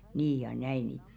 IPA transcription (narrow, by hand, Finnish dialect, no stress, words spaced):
niː jɑ næiˑ ni